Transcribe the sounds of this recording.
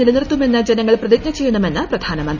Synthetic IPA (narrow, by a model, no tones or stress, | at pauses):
ilɐnirt̪ːume̞nːɐd͡ʑenɐŋːɐɭprɐðik̚ɲɐt͡ɕejːunːɐumenːɐprɐd̪ʱaːnɐmɐnd̪